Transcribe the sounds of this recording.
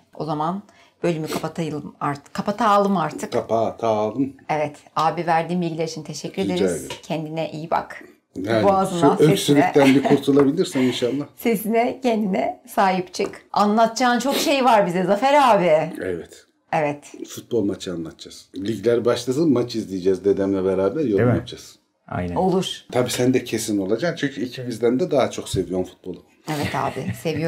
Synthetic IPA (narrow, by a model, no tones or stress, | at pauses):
o̞̰zaman | b̥ø̞lʲymykʰapat̪ʰajɯlˠɯmaɾt̪ʰɯ̥kʰːapat̪ʰaːlˠɯmaɾt̪ʰɯkkʰapʰat̪ʰaːlˠɯmevɛt̪aːbivæɾd̪iːmbilʲɟʲilʲeɾit͡ʃʰint̪ʰeʃɛcʰːyɾed̪eɾzcʰɛnd̪inɛʔijba̰k | jæbuazɯnaøeksylʲicɛt̪ʰænbikʰuɾt̪ʰulˠabilʲiɾsɛninʃalˠːahse̞sinɛcʰɛnd̪inɛsaːɦipt͡ʃʰɯka̰nlˠat̪d͡ʒʰaːnt͡ʃʰo̞kʃejvaɾbizɛzafɛɾaːbɪḛvɛt̪ | evɛt̪fut̪̚bo̞lˠmat͡ʃʰɯanlˠat̪ʰd͡ʒaz̥lʲiɟlʲæɾbaʃlˠas̬ɯmat͡ʃʰizlʲijd͡ʒɛzd̪e̞d̪ɛmlʲɛbeɾaːbæɾjoɾap̚d͡ʒʰas | a̰jno̞lˠuɾ̥t̪ʰabiːsænd̪ɛcʰe̞sino̞lˠad͡ʒamt͡ʃʰyɲcʰyicʰimizd̪ænd̪ɛd̪aɦat͡ʃʰo̞kse̞vijo̞ɾnfu̥t̪̚bo̞lˠu | evɛt̪ha̰ːbɪse̞vijo